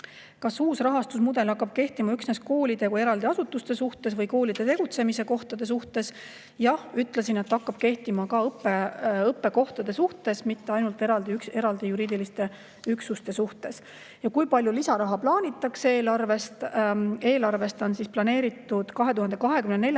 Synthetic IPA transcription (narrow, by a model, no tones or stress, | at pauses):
kɑsuːsrɑɦɑst̪usmud̪̥e̞lɑkːˑɑb̥̚ke̞ht̪imɑyksnesko̞ːlid̪̥e̞kuje̞ɾɑld̪iɑsut̪ːˑust̪e̞suht̪e̞svɤjko̞ːlid̪̥e̞t̪e̞ɡ̥ut̪se̞mise̞ko̞ht̪ɑd̪̥e̞s̬uht̪e̞s | jɑhyt̪ːˑlesine̞t̪ːɑkːɑb̥̚ke̞ht̪imɑkɑɤpːeɤpːe̞ko̞ht̪ɑd̪e̞suht̪e̞smit̪ːeɑjnult̪ˑe̞ɾɑld̪iyke̞ɾɑld̪̥ijuɾiːd̪ilist̪e̞ | yksust̪e̞suht̪e̞s | jɑkujpɑlʲjulisɑɾɑɦɑplɑːnʲit̪ːˑɑkse̞ːlɑrve̞st̪e̞ːlɑrve̞st̪onsisplɑne̞ːɾit̪ːˑud̪̥kɑɦe̞t̪uhɑnd̪̥e̞kɑɦe̞kymnene̞lʲj